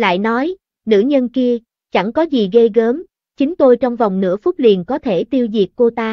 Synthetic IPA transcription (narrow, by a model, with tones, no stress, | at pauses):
la̰ː˧˨jnɔ˨˦j | nɨ̰˧˥ɲə˧nki˧ə | t͡ɕa˧˩ŋkɔ˨˦zi˨˩ɣə˧jɣəː˨˦m | t͡ɕï˨˦ŋt̪o˧jt͡ɕɔ˧wŋ͡mva˨˩wŋ͡mnɨ̰˧˥əfʊ˦˥t̚lḭ˨˩ənkɔ˨˦t̪ʰe˧˩t̪i˧əwzi˨˩ək̚ko˧t̪aː˧